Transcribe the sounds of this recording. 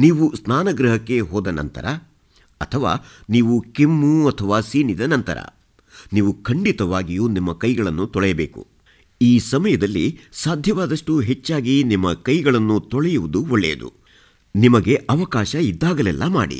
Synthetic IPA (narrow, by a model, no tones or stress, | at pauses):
niːʋusnaːnɐɡɾɐɦɐkːe̞ɦɔːd̪ɐnɐ̰nt̪ɐ̰ɾɐ | ɐt̪ʰɐʋa̰ːniːʋukimːuɐt̪ʰɐʋaːsiːnid̪ɐnɐnt̪ɐ̰ɾɐ̰ | niːʋukʰɐɳɖit̪ɐʋaːɡijuːnimːɐkɐjɡɐɭɐnːut̪ɔɭɛjɐbeːkṵ | iːsɐmɐjɐd̪ɐlːḭsaːd̪ʱjɐʋaːd̪ɐʂʈuɦe̞t͡ʃːaːɡinimːɐkɐjɡɐɭɐnːut̪ɔɭɛjuʋud̪uɔɭːḛːd̪ṵ | nimɐɡe̞ʔɐʋɐkaːʃɐid̪ːaːɡɐlɛ̰lːʔɐma̰ːɽḭ